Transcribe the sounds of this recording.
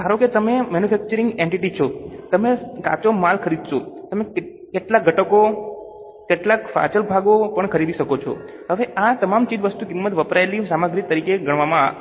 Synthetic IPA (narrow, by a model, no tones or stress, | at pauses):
aɾoket̪əmemɛnufʰɛk̚t͡ʃəɾiŋɡeɳʈiʈit͡ʃʰot̪əmeka̰t͡ʃomalkʰəɾid̪ʱʃot̪əme | keʈlak̚ɡʱəʈəko | keʈlakfa̰t͡ʃəlbʱaɡopəɳkʰəɾid̪iʃəkot͡ʃʰo̰ | ɦəʋeʔat̪əmamt͡ʃid͡ʒ̪ʋəst̪ukimːət̪ʋəpɾajlisamaɡɾit̪əɾikeɡʱəɳ̃ʋamã